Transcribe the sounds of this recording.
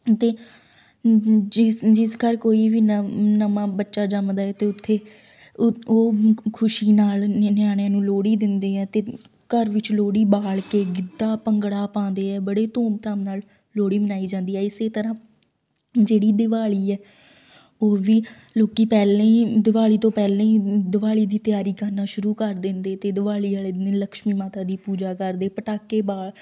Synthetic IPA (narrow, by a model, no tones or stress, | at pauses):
t̪eː | ɪd͡ʒɪskəɾkoːiːʋiːnnəmãːbətːʃaːd͡ʒəmd̪aːɛːt̪eːʊt̪ʰːeː | oːkʰʊʃiːnaːlnɪjaːɽ̃jãːnũːloːɽiːd̪ɪnd̪eːɛːt̪eː | kəɾʋɪt͡ʃloːɽiːbaːlkeːɡɪd̪aːpəŋɡɽaːpãːnd̪eːɛːbəɽeːt̪õːmt̪aːmnaːl | loːɽiːmənaːiːd͡ʒãːnd̪iːɛːɪseːt̪əɾãː | d͡ʒeːɽiːd̪ɪʋaːɭiːɛː | oːʋiː | loːkiːpɛːlẽːiːd̪ɪʋaːɭiːt̪õːpɛːl̃ːiːd̪ɪʋaːɭiːd̪iːt̪ɪjaːɾiːkəɾnaːʃʊɾuːkəɾd̪ɪnd̪eːt̪eːd̪ɪʋaːɭiːaːleːneːləkʃmiːmaːt̪aːd̪iːpuːd͡ʒaːkəɾd̪eːpəʈaːkːeːbaːɭ